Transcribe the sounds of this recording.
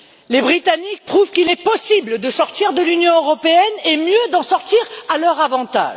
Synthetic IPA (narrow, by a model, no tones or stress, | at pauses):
lebʁit̪anik̚pχuvkilɛpɔsibləd̪əsɔʁt̪iʁd̪əlynjɔ̃øʁɔpeɛnemjød̪ɑ̃sɔʁt̪iʁalœʁavɑ̃t̪a̰ːʒ